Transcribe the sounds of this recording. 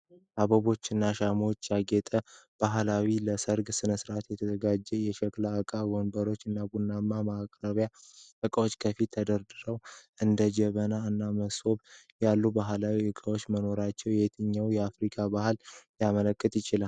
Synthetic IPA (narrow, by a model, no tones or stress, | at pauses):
ʔaβəβo̞t͡ʃːɨnːaʃamot͡ʃːjaɡɛt̪ʼəb̥aɦlawiləsəɾɡsɨnəsɨɾʔat̪jɛt̪ʰəzəɡad͡ʒːɛjɛʃəklaɨkʼaɡo̞nbəɾo̞t͡ʃːɨnːabunːamːamakʼɾəβjaʔɨkʼəwo̞t͡ʃːkʰəfit̪ʰːəd̪əɾd̪ɨɾəwʔɨnd̪əd͡ʒɛβənaɨnːaməso̞b | jalːubaɦlawiʔɨkʼəwo̞t͡ʃːməno̞ɾat͡ʃːɛwjet̪ʰɨɲːawjɛafɾikʰabahɨljamələkʼːət̪ʼjɪt͡ʃɪlal